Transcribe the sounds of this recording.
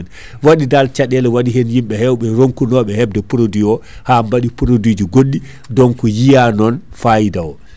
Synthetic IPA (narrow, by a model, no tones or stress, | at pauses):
n | waɗidalt͡ʃaɗɛlɛwaɗiɦɛnjimɓɛhɛwɓɛɾoŋkunɔɓɛhɛb̚dɛpuɾodiɔhambaɗipuɾodiːd͡ʒiɡoɗːi | dɔŋkɔjijanɔnfajidawɔ